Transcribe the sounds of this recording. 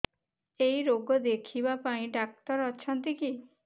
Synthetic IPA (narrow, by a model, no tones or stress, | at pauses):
ejɾoɡɔd̪ekʰibapaĩɖak̚t̪ɔɾɔt͡ʃʰɔnt̪iki